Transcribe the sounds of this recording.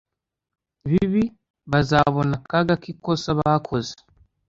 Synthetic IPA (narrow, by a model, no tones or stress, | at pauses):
βiβi | βazaβɔnakaɡakikɔsaβakʰoze̥